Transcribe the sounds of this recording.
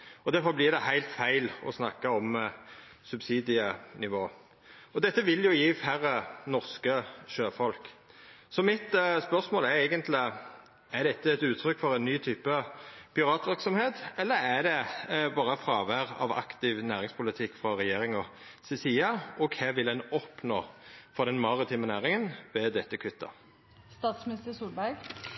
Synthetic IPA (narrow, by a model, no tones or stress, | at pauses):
ɔd̪æɾfɔblɪʁd̪ɛhæɪlt̪fæɪlɔ̰snɑkːɑɔm | sʉbsiːd̪ɪənɪʋoː | ɔd̪ɛt̪ːəʋɪljʊjiːfæɾənɔʁskəʃøːfɔlksɔmɪt̪spœʁsmoːlæɾæɪɡənt̪lɪ | æɾd̪ɛt̪ːəɛt̪ʉːt̪ʰɾʏkːfɔɾɛnnːyːt̪ʰyːpəpʰɪʁɑːt̪ʋɪɾksɔmheːt̪ɛlːəɾæd̪ɛbɑːɾəfɾɑːʋæɾɑ̰ʋɑ̰kt̪ɪʋnæːʁɪŋspʰʊlɪt̪ʰɪkːfʁɑɾɛjeːɾɪŋɔ | sɛsiːɑʔɔkʰæʋɪlɛnɔpno̰ːfɔʁd̪ɛnmɑʁɪt̪ʰiːmənæːɾɪŋənʋɛd̪ɛt̪ːəkʰʉt̪ːə̰ | st̪ɑːt̪smɪnɪst̪əsuːlbæɾɡ